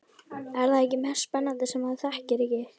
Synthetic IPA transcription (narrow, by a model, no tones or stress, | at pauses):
ɛɾðaðɛcːɪmɛ̥spɛnːant̪ɪsɛmaðθɛhcɪɾɪcɪ